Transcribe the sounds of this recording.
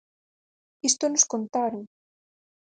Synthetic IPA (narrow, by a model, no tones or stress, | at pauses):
ist̪onoskont̪aɾoŋ